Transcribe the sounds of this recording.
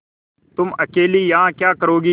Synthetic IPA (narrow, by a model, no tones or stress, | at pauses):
t̪ʊməkeːliːjaãːkjaːkəɾoːɡiː